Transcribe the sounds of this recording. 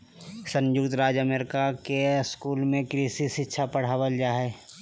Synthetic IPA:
sə̃njʊkt̪ɾaːd͡ʒəmeːɾɪkakeskuːlmẽkɾiːsisɪtːʃʰapəɽ̤aːwəld͡ʒaːɦɛː

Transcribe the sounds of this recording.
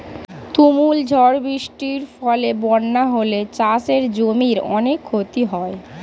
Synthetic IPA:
t̪umuld͡ʑʱɔɾbɾiʃʈiɾfɔlebɔnːaɦolet͡ɕaseɾd͡ʑomiɾɔ̰nekʰːot̪iɦɔe

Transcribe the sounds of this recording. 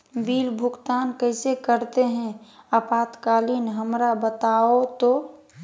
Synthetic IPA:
biːlbʱʊɡt̪aːnkəɪsekəɾt̪eɦɛ̃əpaːt̪kaːliːnɦəmɾabət̪aot̪o

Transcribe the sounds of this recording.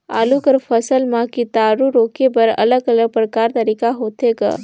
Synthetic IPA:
a̰ːlukəɾpʰəsəlmãkit̪aɾuɾokebəɾə̰ləɡələɡ̚pɾəkaːɾt̪əɾikaɦoːt̪eɡa̰

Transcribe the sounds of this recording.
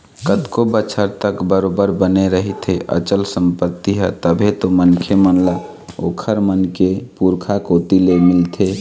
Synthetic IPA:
kət̪kobət͡ʃʰəɾt̪əkbəɾobəɾbəneɾəɦit̪ʰeʔə̰t͡ʃəlsəmpət̪ːiɦɛt̪əbʱet̪omənkʰemənla | o̰kʰəɾmənkepuɾkʰakot̪ilemɪlt̪ʰe

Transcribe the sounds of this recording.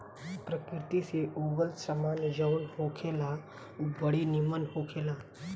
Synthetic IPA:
pɾəkɾɾɪt̪iseʔoːɡəlsəmaːnd͡ʒəʋɽhokʰeːla | ubəɽinɪmənhoːkʰeːlaː

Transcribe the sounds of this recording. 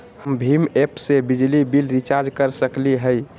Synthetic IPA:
həmbʱimepsebid͡ʒlibilɾit͡ʃaɾd͡ʒkəɾsəkliɦəj

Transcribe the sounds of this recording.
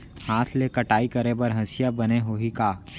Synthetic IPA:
hãːt̪ʰlekɐʈaːikɐɾebɐɾɦɐsɪjabɐneɦoikaː

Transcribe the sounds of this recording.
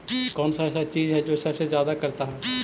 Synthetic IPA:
kɔːnsaɛːsat͡ʃiːzɦɛd͡ʒoːsɐbsezjaːd̪akɐɾt̪aɦɛː

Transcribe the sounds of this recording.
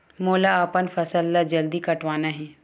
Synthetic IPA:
moːlaəpənfɐsəlːad͡ʒɐld̪ikɐʈʋaːnaɦɛː

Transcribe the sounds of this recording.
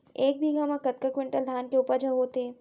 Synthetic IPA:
eːk̚bʱiɡʱamãkɐt̪̚kakʋɪ̃ɳʈəld̪ʱjaːnkeʊpəɾd͡ʒɐɦoːt̪eː

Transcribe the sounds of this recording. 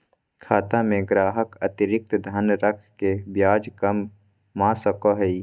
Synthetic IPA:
kʰaːt̪ãmẽɡɾaːɦəkɐt̪ɪɾɪk̚t̪d̪ʱənɾəkʰkebjaːd͡ʒkəmː | ãːsəkoɦəi

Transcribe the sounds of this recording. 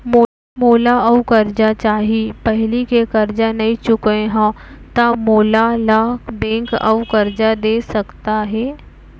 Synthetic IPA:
moː | moːlaɐʋkɐɾd͡ʒat͡ʃaːɦipɐɦlikekɐɾd͡ʒanɐɦĩt͡ʃʊkeɦã | t̪amoːlalaːkbɛ̃ːŋkɐ̰ʋkɐɾd͡ʒad̪eːsɐkt̪aɦɛː

